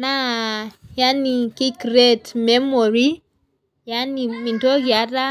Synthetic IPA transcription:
na | janikikɾetmɛmoɾi | janimintoɣiaɾa

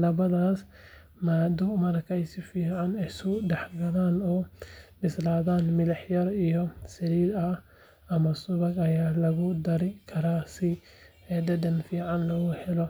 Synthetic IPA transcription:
lɐbɐd̪aːs | mad̪uʔmɐɾkajsifiːʕanɪsud̪ɐħɡɐd̪anobɪslad̪anmɪlħjɐɾɪjɔsɪɾid̪a | ɐmɐsʊbɐɡɐjaːlɐɡud̪ɐɾikʰɐɾasi | d̪ɐd̪ɐnfiːʕanlɐɡʊhɛlɔ

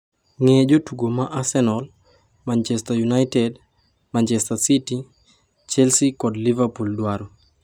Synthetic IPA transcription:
ŋed͡ʒotuɡomaʔasɛnɔl | mant͡ʃɛstajunajtɛd | mant͡ʃɛstasiti | t͡ʃɛlsikɔdlivapuldwaɾɔ

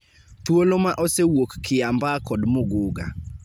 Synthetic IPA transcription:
t̪wolomaʔosewokːɪambakɔdmoɡʊɡa̰

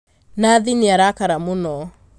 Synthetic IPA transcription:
naðineaɾakaɾamonɔ

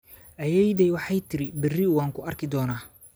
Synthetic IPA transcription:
ʔɐjɛjd̪ɛjwɑħɑjt̪ʰɪɾɪbɪriwaːŋkʰʊɐrkʰɪd̪ɔːnaː

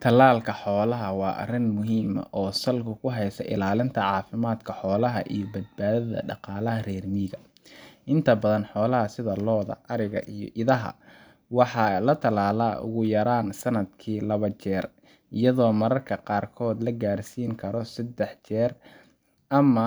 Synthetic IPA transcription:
t̪ʰɐlaːlkʰɐħɔːlɐɦɐwɑːʔɐ̰rɪnmʊɦiːmɐ̰ʔɔːsɐlkʰʊkʰʊɦɛjsɐ̰ʔɪ̰laːlɪnt̪ʰɐʕɑːfɪmaːd̪kʰɐħɔːlɐɦɐ̰ʔijɔbɐd̪̚baːðɐðɐ̰ɖɑqɑːlɐɦɐrɛːrmiːɣɐ | ʔɪnt̪ʰɐbɐðɐnħɔːlɐɦɐsɪðɐlɔːðɐ̰ʔɐɾɪɣɐ̰ʔijɔ̰ʔɪðɐɦɐ̰ | wɑħɑlɐt̪ʰɐlaːlaːʔʊ̰ɣʊjɐɾaːnsɐnɐd̪kʰiːlɐβɐt͡ʃɛːr | ɪjɐðɔːmɐɾɐrkʰɐqɑːrkʰɔːd̪lɐɡaːrsiːŋkʰɐɾɔsɐd̪ɛħt͡ʃɛːr | ʔɐmɐ

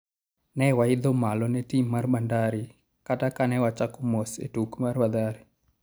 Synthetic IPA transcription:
nɛwaɪd̪ɔmalɔnɛtimːarband̪aɾi | katakanɛwat͡ʃakɔmosḛtukmarbad̪aɾi

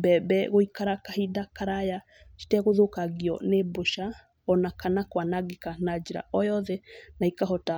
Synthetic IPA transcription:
bɛbɛɣoikaɾakahidakaɾaja | t͡ʃi̥tɛɣoðokaɣiɔ̰neboʃa | ɔnakanakwanaɡekanad͡ʒeɾa̰ʔɔjɔðɛnaikaɦɔta

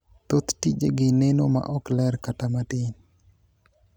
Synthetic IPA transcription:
t̪ot̪tid͡ʒeɡɪnenoma̰ʔɔklɛrkatamat̪ɪn

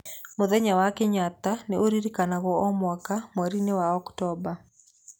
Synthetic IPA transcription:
mʊðɛɲawakɪɲat̪anɛʔoɾiɾikanaɣɔɔmwakamwaɾinewaɔktɔba

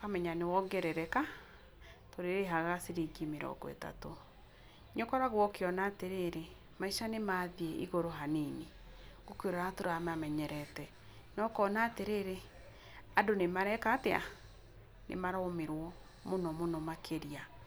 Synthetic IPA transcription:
kamɛɲanewɔɡɛɾɛɾɛka | toɾeɾeɦaɣasiɾiɡimeɾɔ̰ɡɔ̰ḛta̰to | ɲɔkɔɾaɣwɔkeɔnaːteɾeɾe | maiʃanemaːðieʔḭɣoɾoɦaneneɣokoɾɔɾatoɾamamɛɲɛɾɛtɛ | nɔkɔnaːteɾeɾe | adonemaɾɛkatea̰ | nʔḛmaɾaomeɾwɔ | monɔmonɔmakʰeɾia

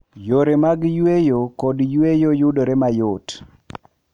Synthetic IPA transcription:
joɾemaɡjwejokɔdjwejojʊdoɾemajot

